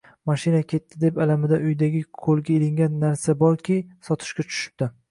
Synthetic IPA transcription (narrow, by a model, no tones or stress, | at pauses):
maʃɪnakʲʰe̞t̪ʰːɪd̪e̞palamɪd̪aʔʊjd̪aɡʲɪkʰolɡʲaelɪŋɡʲanːaɾsabɒɾkʲisɒt̪ʰɪ̥ʃkʲat͡ʃʰʊ̥ʃɪ̥p̚d̪̥ɪ